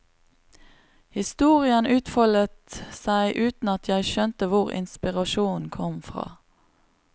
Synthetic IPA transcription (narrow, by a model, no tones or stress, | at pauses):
hɪst̪uːʁɪənʉːt̪fɔlət̪sæɪʔʉːt̪n̩ɑt̪ʰjæɪʃœnt̪əʋʊʁɪ̰nspɪʁɑʃuːnnkʰɔmfʁɑ̰ː